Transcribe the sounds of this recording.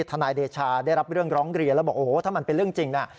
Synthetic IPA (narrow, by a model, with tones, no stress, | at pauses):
t̪ʰaː˧naː˧jdeː˧t͡ɕʰaː˧daː˥˩jɾa˦˥p̚ɾɯ˥˩əŋɾɔː˦˥ŋɾi˧ənlɛ˦˥bɔː˨˩kʔoː˨˩˦t̪ʰaː˥˩ma˧npe˧nɾɯ˥˩əŋt͡ɕi˧ŋna˦˩